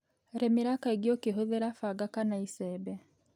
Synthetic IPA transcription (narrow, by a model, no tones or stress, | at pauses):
ɾemiɾakaiɡjokiɦoðeɾafaɡakanaisebe